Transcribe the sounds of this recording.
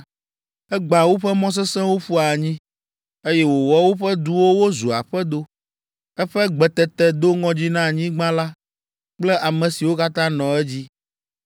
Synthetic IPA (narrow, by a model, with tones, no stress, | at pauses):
ɛ˦ɡ͡bã˨wo˦ɸɛ˦mɔ̃˦s̬ɛ˦sɛ̃˦wo˦ɸu˦a˨ɲĩ˦ | e˦jɛ˦wo˨wɔ˦wo˦ɸɛ˦d̪u˦wo˦wo˦zu˨a̰˨ɸɛ˦d̪o˦ | ɛ˦ɸɛ˦ɡ͡bɛ˨t̪ɛ˨t̪ɛ˨d̪o˦ŋɔ̃˦d͡ʑi˦nã˦˨ɲĩ˦ɡ͡bã˦la˦ | k͡plɛ˦ʔa˨mɛ̃˨si˨wo˦ka˦t̪ã˦nɔ̃˨ɛ˦d͡ʑi˦